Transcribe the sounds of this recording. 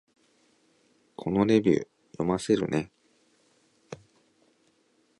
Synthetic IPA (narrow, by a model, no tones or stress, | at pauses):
kʰo̞no̞ɾe̞bʲɨ̰ː | jo̞mase̞ɾɯ̟ne̞